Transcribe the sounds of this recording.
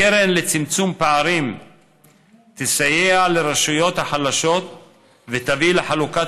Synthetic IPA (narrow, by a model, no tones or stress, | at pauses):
eɾenlet͡simt͡sumpeaɾim | t̪esajealeɾeʃujo̞t̪haħalaʃo̞t̪̚ | vet̪avileħaluka